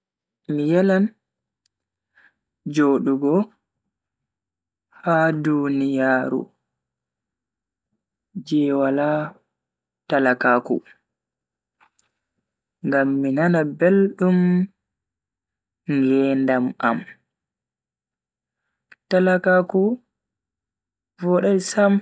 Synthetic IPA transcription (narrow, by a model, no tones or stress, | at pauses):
mijɛlan | d͡ʒoːɗuɡɔ | hadunijaːɾṵ | d͡ʒɛwala | talakaːkṵ | ŋɡamːinanabelɗum | ŋɡɛːndama̰m | talakaku | vɔɗɛsam